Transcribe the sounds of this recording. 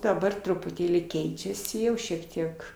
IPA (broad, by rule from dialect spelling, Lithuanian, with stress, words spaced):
dɐˈbɐr trʊpʊˈtʲeːlʲiː ˈkʲɛɪt͡ʃʲɛsʲɪ ˈjɛʊ ʃʲiɛk ˈtʲiɛk